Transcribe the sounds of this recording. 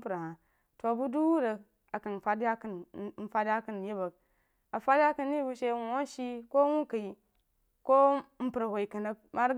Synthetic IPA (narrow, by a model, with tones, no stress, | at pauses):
pɾa˨ha˨ | to˨bu˦du˦wu˦ɾə˨ | a˨kɐ˨n˨fa˦da˦kə˦n˦n̩˦fa˦dja˦kə˦n˨je˦bɐ˨k̚ | a˨fa˦da˦kɐ˦˨nː˦i˦bu˦ʃe˦wu˨wo˦n˦ʃi˦ko˦wu˦ka˨i˨ | ko˦m̩˦pɾa˨wo˨i˨kɐ˨na˦ma˦ɾ